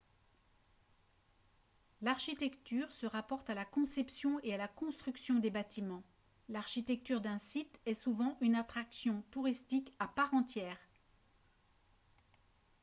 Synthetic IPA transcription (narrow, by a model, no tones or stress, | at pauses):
laʁʃit̪ɛkt̪yʁsəʁapɔʁt̪alakɔ̃sɛpsjɔ̃ealakɔ̃st̪χyksjɔ̃d̪ebat̪imɑ̃ | laʁʃit̪ɛk̚t̪yʁd̪ɛ̃sit̪ɛsuvɑ̃ʔynat̪χaksjɔ̃t̪uʁist̪ikapaʁɑ̃t̪jɛːʁ